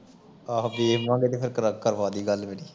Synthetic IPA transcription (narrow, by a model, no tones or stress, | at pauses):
aːbiːmãːɡeːt̪eːpʰɪɾkəɾəkəɾʋaːd̪iːɡəlmeːniː